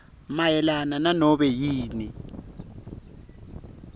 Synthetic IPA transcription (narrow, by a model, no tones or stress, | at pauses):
majɛlanananɔɓɛjiːni